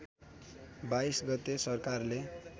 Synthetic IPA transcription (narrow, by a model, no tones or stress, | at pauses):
bajsɡʌt̪ːesʌrkarle